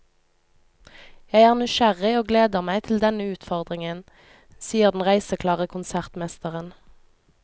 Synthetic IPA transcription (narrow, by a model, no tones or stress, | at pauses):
jæɪæːʁnʏʃæʁɪoːɡleːd̪əʁmæɪt̪ʰɪl̩d̪ɛnəʉːt̪fɔʁd̪ʁɪŋən | siːəʁd̪n̩ʁæɪsəkʰlɑːʁəkʰʊnsæʁt̪mɛst̪əʁən